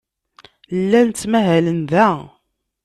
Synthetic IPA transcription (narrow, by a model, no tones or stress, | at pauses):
lːænt͡sːmæɦælənðæ